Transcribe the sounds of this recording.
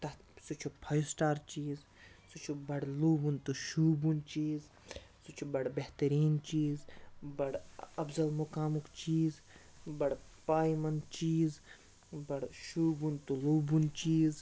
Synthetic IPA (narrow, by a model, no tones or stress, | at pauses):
t̪ɐt̪sut͡ʃʰupʰɐjsʈaːɾt͡ʃiːz | sut͡ʃʰubɐɽluːbunt̪uʃuːbunt͡ʃiːz | sut͡ʃʰubɐɽbeht̪ɐɾiːnt͡ʃiːzbɐɽɐbzɐlmukaːmukt͡ʃiːz | bɐɽpaːjmɐnt͡ʃiːz | bɐɽʃuːbunt̪uluːbunt͡ʃiːz